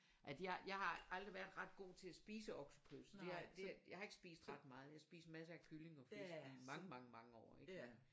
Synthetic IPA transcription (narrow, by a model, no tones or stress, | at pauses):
ʔæsjɑjɑ̈ɪhɑ̈ʔɑ̈ld̥ʁiʋæɐd̥ʁɑ̈d̥̚ɡ̥o̝̰ːt͡sʰe̝æsb̥ḭːsəɒ̽ɡ̥səpʰøse̝ɑd̥ejɑ̈hɑ̈e̝ɡ̥ə̥sb̥ḭːsd̥ʁɑ̈d̥mɑ̈ːð̞̩ˠjɑ̈sb̥ḭːsmæsəækʰyle̝ŋɒ̽feimɑ̈ŋəmɑ̈ŋəmɑ̈ŋəɒ̰ːeɡ̥æ